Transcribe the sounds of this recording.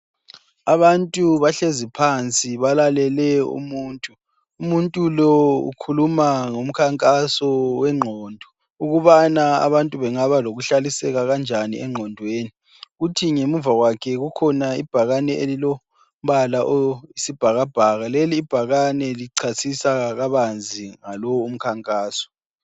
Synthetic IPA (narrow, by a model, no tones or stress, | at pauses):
aβantʼuβaɬezipʰant͡sʼiβalalɛlɛṵmuːntʼuː | muntʼulɔṵkʰulumaŋom̩kʰaŋkʼasɔwɛŋ͡ǃʱɔːndʱɔ | uɣuβanaa̰βantʼuβɛŋaβaloɣuɬalisɛɣaɣand͡ʒʱanḭʔɛŋ͡ǃʱɔndʱweːni | ɣutʰiŋemuvaɣwakʰɛɣukʰɔnaḭb̥ʱaɣanɛelilɔ | m̩βalaʔoisib̥ʱaɣab̥ʱaɣaleliːb̥ʱaɣanɛliǀʰasisaɣaβand͡zʱiŋalɔum̩kʰaŋkʼaːsɔ̥